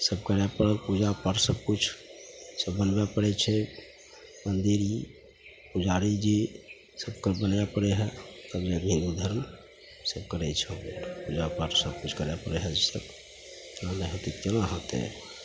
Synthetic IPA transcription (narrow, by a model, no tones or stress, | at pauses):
səb̚kəɾɛpəɾəlpud͡ʒapaɾsəb̚kut͡ʃʰsəbːənbɛpəɽɛt͡ʃʰɛ | mənd̪iɾi | pud͡ʒaɾid͡ʒi | səbkəɾbənjapəɽeɦɛt̪əbd͡ʒeɡmʱĩd̪ud̪ʱəɾm | səb̚kəɾɛt͡ʃʰɛɔɾpud͡ʒapaʈsəb̚kut͡ʃʰkəɾjapəɽɛɦɛd͡ʒisə̰b | t̪nanəɦot̪ikt̪enaɦət̪ḛ